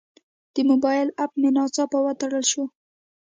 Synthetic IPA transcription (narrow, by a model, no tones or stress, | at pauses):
d̪̥əmʊbɑjɪlap̚mɪnɑt͡sɑpawat̪aɽəlʃo